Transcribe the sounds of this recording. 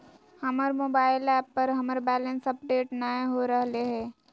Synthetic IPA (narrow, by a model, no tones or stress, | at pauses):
hɐməɾmoːbaːɪlɛːpːɐɾɦɐməɾbɛːlə̃nsɐpɖeːʈnaeɦoɾəɦleɦɛ̃ː